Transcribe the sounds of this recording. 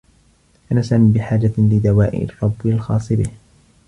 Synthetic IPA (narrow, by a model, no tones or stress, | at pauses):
ʔanasamibɪħaːd͡ʒalɪd̪awaːʔɪ̰ʔrˤːɑbːalxɑːsˤɨbɪh